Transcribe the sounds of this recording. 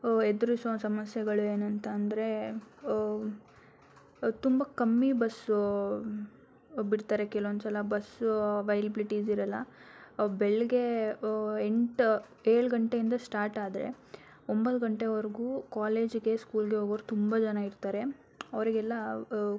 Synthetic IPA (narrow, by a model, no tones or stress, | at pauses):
ed̪ɐɾusɐsɐmɐsjɐɡɐɭueːnɐnt̪ɐːnd̪ɐɾe̞ | t̪umbɐkɐmːibɐs | biɽt̪aːɾekɛluond̪usɐlɐbɐsʋɐjlibiliʈisiɾɐlːɐ | beɭɡe̞ | eɳʈ | eːɭɡɐɳʈe̞ind̪ɐsʈaːɾʈaːd̪ɐɾe̞̰ | ombɐt̪ɡɐɳʈeʋɐɾɡuːkaːleːd͡ʒɡe̞skuːlɡe̞ɦoɡɐʋɾut̪umbɐd͡ʒɐnaiɾt̪aːɾe̞ | ɐʋɐɾiɡɛlːɐ